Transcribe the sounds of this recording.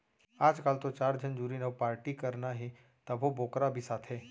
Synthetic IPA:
aːd͡ʒkaːlt̪ot͡ʃaːɾd͡ʒənd͡ʒuːɾinəʋpaːɾʈikɐɾnaɦe | t̪ɐbʱoboːkɾabʱisaːt̪ʰɦɛː

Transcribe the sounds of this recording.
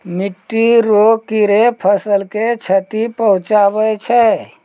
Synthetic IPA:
miʈːiɾokiɾepʰəsəlket͡ʃʰət̪ipəɦʊ̃t͡ʃabəjt͡ʃʰɛ

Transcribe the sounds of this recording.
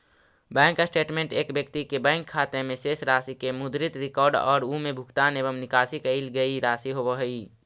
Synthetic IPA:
bɛ̃ːŋkːasʈeːʈmẽɳʈeːkbjəkt̪ikebɛ̃ːŋkʰːaːt̪emẽseːsɾaːsikemʊd̪ɾɪt̪ɾɪkɔːɾɖɔ̰ːɾumẽbʱʊkt̪anebəmnɪkaːsikəɪlɡəiɾaːsiɦoʋəɦəi

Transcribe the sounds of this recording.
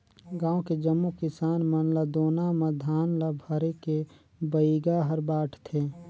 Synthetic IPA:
ɡãːõked͡ʒəmːukɪsaːnmənlad̪oːnaməd̪ʱaːnlabʱəɾeke | bəiɡaɦəɾbaːʈʰt̪ʰeː

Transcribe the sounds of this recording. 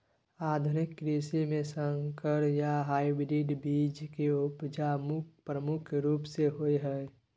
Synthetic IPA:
aːd̪ʱʊnɪkːɾisimẽsə̃ŋkəɾjaɦaːɪbɾiːɖbiːd͡ʒkeʊpd͡ʒamʊpɾəmʊkʰɾuːpseɦoeɦɛ

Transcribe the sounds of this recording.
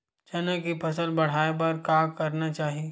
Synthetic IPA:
t͡ʃɐnakipʰɐsəlbɐɽ̤aːep̬ɐɾkaːkɐɾnat͡ʃaːɦie

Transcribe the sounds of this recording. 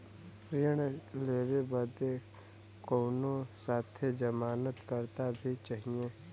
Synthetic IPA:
ɾɪɳ̃leːɾebəd̪e | koːnõsaːt̪ʰed͡ʒəmaːnət̪kəɾt̪abʱit͡ʃaɦiẽː

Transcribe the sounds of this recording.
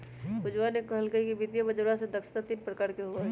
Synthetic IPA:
ʋʊd͡ʒʋaːnekːɐɦɐlkəikiʋɪd̪jabɐd͡ʒoɾãsed̪ɐkʃt̪at̪iːnpɾəkaːɾkeɦuaɦɛ

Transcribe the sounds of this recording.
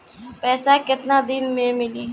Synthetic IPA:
pɛːsakɪt̪nad̪ɪnmẽmɪliː

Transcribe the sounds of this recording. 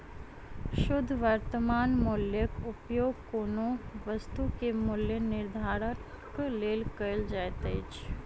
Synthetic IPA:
ʃʊd̪ʱːʋəɾt̪əmaːnmʊljəkʊpjoːɡkoːnoʋəst̪ukemʊljənɪɾd̪ʱaːɾə | kleːlkəld͡ʒaːt̪eːt͡ʃʰ

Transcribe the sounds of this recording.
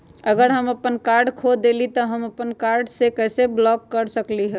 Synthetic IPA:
əɡəɾɦəməpənkaɾɖkʰod̪elit̪ɔɦəməpənkaɾɖsekɛːseblɔkːəɾsəkliɦɛ̃

